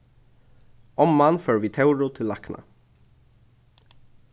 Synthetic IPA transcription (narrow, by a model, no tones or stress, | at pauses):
ɔmmɑːnføːɹʋiːt̪ʰaʊɹʊt̪ʰɪlɑknʔə̰